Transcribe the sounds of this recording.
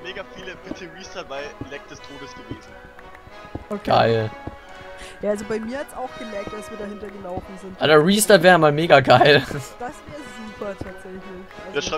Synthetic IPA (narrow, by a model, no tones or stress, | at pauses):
meːɡafiːləb̥ɪtʰəʁiːstɐvaɪlɛk̚d̥ɛstʰoːdəsɡ̥əveːzn̩ | ʔokɡ̥a̰ɪl | jaʔalzobaɪmiːɐhatsaʊxɡ̥əmɛɐk̚t̚d̥asv̥iːɐdahɪntɐɡəlaʊfn̩zɪntʔalɐʁiːstɐvɛːʁəmaːlmeːɡaɡaɪld̥asveːɐzuːpʰɐtʰaːtz̥ɛçlɪçʔajaʃʁa